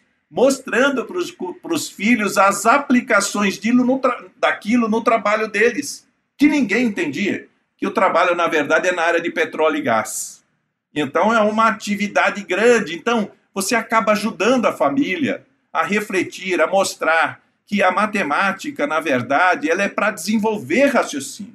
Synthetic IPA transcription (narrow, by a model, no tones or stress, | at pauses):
most̪ɾɐ̃nd̪ʊpɾʊsʊpɾʊsfiʎʊzɐzaplikasõj̃zd͡ʒilʊnʊt̪ɾad̪akilʊnʊt̪ɾabaʎʊd̪elɪs | kɪnĩŋɡẽj̃ẽnt̪ẽnd͡ʒiɐ̰ | kɪʊt̪ɾabaʎʊnɐveɾd̪ad͡ʒɪɛnɐaɾjɐd͡ʒɪpet̪ɾɔljɪɡa̰s | ẽnt̪ɐ̃w̃ɛũmɐat͡ʃivid̪ad͡ʒ̪ɪɡɾɐ̃d͡ʒɪẽnt̪ɐ̃w̃ | voseakabɐaʒud̪ɐ̃nd̪ʊɐfamiljɐ̰ | ɐɦeflet͡ʃiɾɐmost̪ɾaɾ | kɪɐmat̪emat͡ʃikɐnɐveɾd̪ad͡ʒɪɛlɐɛpɾɐd͡ʒ̪ɪzẽvowveɾhasjosĩnʊ